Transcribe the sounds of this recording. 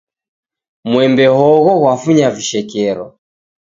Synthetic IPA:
mwɛmbɛhɔɣɔɣwafuɲaviʃɛkɛɾɔ

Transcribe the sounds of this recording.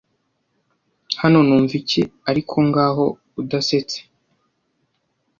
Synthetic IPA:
hano̞nuːɱviciaɾikʰo̞ŋɡaːɦo̞ | udase̞t͡se̥

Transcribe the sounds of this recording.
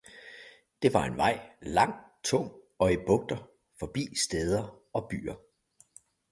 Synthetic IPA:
d̥e̝ʋɑ̈e̝nʋɑ̈ɪ̰lɑ̈ŋ̰t͡sʰɔ̽ŋ̰ | ɒ̽ib̥ɔ̽ɡ̥̚d̥ɐ | fɒ̽b̥ḭːsd̥eːð̞ˠɐ | ɒ̽b̥y̰ːɐ

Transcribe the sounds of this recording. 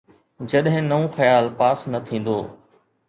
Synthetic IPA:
d͡ʑɐɗɦɪ̃nɐõxɐjaːlpaːsnɐt̪ʰĩːn̆d̪o̰ː

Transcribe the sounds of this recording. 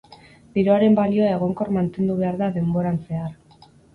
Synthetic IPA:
biɾoaɾe̞mbalio̞ae̞ɣ̞o̞ŋko̞ɾmant̪e̞nd̪uβ̞e̞aɾðaðe̞mbo̞ɾanse̞ar

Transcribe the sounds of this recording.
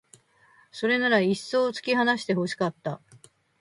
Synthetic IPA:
so̞ɾe̞naɾaisːo̞ːt͡sɨ̥kʲiɦanaɕi̥t̪e̞ho̞ɕi̥kat̪ːa

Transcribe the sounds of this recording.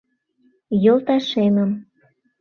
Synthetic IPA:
jolˠt̪ɑʃeməm

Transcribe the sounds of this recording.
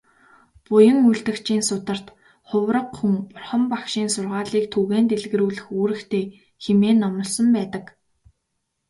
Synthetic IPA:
pʊjə̆ŋuɮt̪ɘ̆kt͡ɕiːnsʊt̪ə̆r̥t̪ | χʊwrə̆qxumpʊrχə̆mpakʃiːnsʊrʁaːɮiːkt̪ʰuɣeːnt̪eɮɣɘ̆ɾuːɮɘ̆xuːɾɘ̆xt̪ʰeː | xemeːnɔmɞ̆ɮsɞ̆mpæːt̪ə̆k

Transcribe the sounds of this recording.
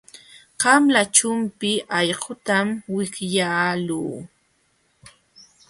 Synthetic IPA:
ɢɑmlat͡ʃʊmpɪʔɑʎɢʊt̪amwɪkjaːluː

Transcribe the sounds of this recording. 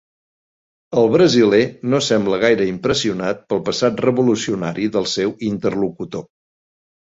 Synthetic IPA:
əlˠβɾəzilɛnosɛmbləɣajɾəimpɾəsiunat̪̚pəlˠpəsat̪rəβulusiunaɾiðəlˠsɛwint̪ərlukut̪o

